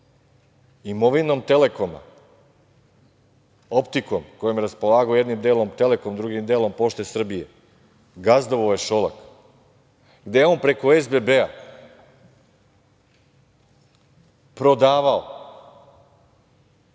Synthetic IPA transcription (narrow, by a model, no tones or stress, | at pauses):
imo̞ʋino̞mt̪e̞le̞koma̰ | o̞pt̪iko̞mkojemjɾaspo̞lˠaːɡoje̞d̪nimd̪eːlo̞mt̪e̞le̞ko̞md̪ɾuɡimd̪eːlˠo̞mpo̞ʃt̪esr̩bije̞ | ɡazd̪oʋojeʃolˠak | ɡd̪ejeo̞ːnpɾe̞ko̞ezbebea | pɾo̞d̪aːʋao